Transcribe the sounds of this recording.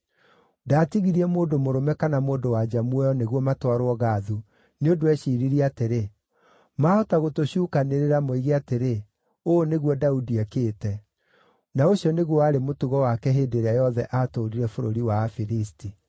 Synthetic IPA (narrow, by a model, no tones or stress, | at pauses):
datiɣiɾiɛmoːndomoɾomɛkanamoːndowad͡ʒamuɛɔneɣwɔmatwaɾoɔɣaðu | neondoɛɕiːɾiɾiateɾe | maːhɔtaɣotoɕuːkaneɾeɾamoiɣeateɾe | oːneɣwɔdaudiakeːtɛ | naoɕiɔneɣwɔaɾemotuɣɔwakɛɦeːdeɾeajɔðɛʔatoɾiɾɛfoɾo̰ɾiwafiɾisti